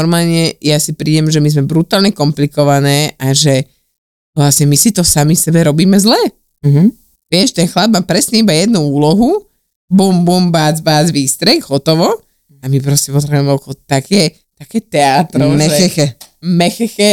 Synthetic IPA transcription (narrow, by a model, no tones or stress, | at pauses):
ɔɾmaːlɲɛjasipɾiːɟɛmʒɛmizmɛbɾut̪aːlɲɛkɔmplikɔʋanɛːʔaʒɛ | ʋlasɲɛmisit̪ɔsamifsɛbɛɾɔbiːmɛzlɛː | ɦ | ʋɪɛʃt̪ɛnxlab̚maːpɾɛsɲɛibajɛd̪nuuːlɔɦu | bumbumbaːd͡zbaːd͡zʋiːst̪ɾɛɡɦɔt̪ɔʋɔ | amipɾɔscɛpɔt̪ɾɛbuuɛmɛɔkɔɔt̪akɛː | t̪akɛːt̪ɛat̪ɾɔɛɛɛɛmɛxɛxɛ